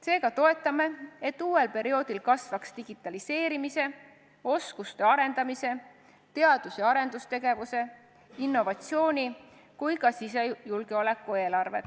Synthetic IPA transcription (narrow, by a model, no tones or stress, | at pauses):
se̞ːɡ̥ɑt̪o̞e̞t̪ːˑɑme̞et̪ːˑuːwe̞lpe̞ɾio̞ːd̪̥ilkɑsvɑkst̪iɡ̥it̪ːˑɑlise̞ːɾimise̞ | o̞skust̪e̞ɑɾe̞nd̪ɑmise̞ | t̪e̞ɑd̪̥usjɑɑɾe̞nd̪ust̪e̞ɡ̥e̞vuse̞ | inːo̞vɑt̪sio̞ːnʲi | kujkɑsisejulɡ̥eo̞le̞kːˑue̞ːlɑrve̞̰t̪